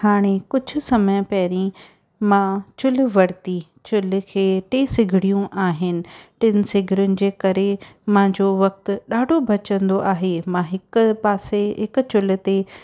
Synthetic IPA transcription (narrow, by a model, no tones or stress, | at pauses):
haːɽ̃ekʊd͡ʑʱʊ̆sɐməj̃pɐːɾĩ | mãt͡ɕʊl̆ʋɐɾt̪i | t͡ɕʊlkʰeːʈeːsɪɡʱɪɽijũʔaːɦɪnɪ̆ʈɪnɪ̆sɪɡʱɪɾʊnɪ̆d͡ʑeːkɐɾemãɲd͡ʑoʋɐk̚t̪ʊ̆ɗaːɖʱobʱɐt͡ɕə̃nd̪oʔaːɦemãɦɪkpaːseɦɪkʊ̆t͡ɕʊlʊ̆t̪e